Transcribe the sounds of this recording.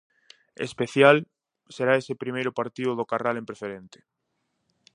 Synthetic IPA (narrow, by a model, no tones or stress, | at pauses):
ḛspeθjal | seɾaesepɾimejɾʊpaɾt̪iʊðokaralẽmpɾefeɾent̪e̥